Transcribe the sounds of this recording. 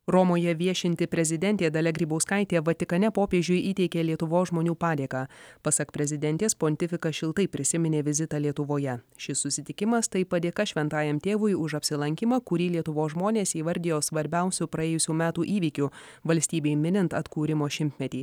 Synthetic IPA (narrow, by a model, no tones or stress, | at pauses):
ɾɔmoːjɛʋʲiɛʃʲɪnʲt̪ʲɪpʲɾʲɛzʲɪd̪ʲɛnʲt̪ʲeːd̪ɐlʲɛɡɾʲiːbɐʊskɐɪt̪ʲeːʋɐt̪ʲɪkɐnʲɛpoːpʲeːʒʲʊjʔiːt̪ʲɛɪkʲeːlʲiɛt̪ʊʋoːsʒmoːnʲuːpɑːd̪ʲeːkɑːpɐsɐkpʲɾʲɛzʲɪd̪ʲɛnʲt̪ʲeːspoːnt̪ʲɪfʲɪkɐʃʲɪlˠt̪ɐɪpʲɾʲɪsʲɪmʲɪnʲeːʋʲɪzʲɪt̪ɑːlʲiɛt̪ʊʋoːjɛʃʲɪsːʊsʲɪt̪ʲɪkʲɪmɐst̪ɐɪpɐd̪ʲeːkɐʃʲʋʲɛnt̪ɑːjɛmt̪ʲeːʋʊjʊʃɐpʲsʲɪlˠɐŋʲkʲɪmɑːkʊɾʲiːlʲiɛt̪ʊʋoːsʒmoːnʲeːsiːʋɐɾʲd̪ʲɪjoːsʋɐɾʲbʲɛʊsʲʊpɾɐeːjʊsʲuːmʲæːt̪uːʔiːʋʲiːkʲʊ | ʋɐlʲsʲt̪ʲiːbʲeɪmʲɪnʲɪnt̪ɐt̪kuːɾʲɪmoːʃʲɪmʲt̪ʲmʲɛt̪ʲiː